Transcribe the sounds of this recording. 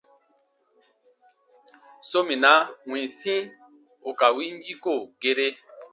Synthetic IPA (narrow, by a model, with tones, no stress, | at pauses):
so˦mĩ˨na˦wĩ˨sĩ˦ | o˨ka˨wi˦m˦bi˦ko˦˨ɡe˦ɾe˦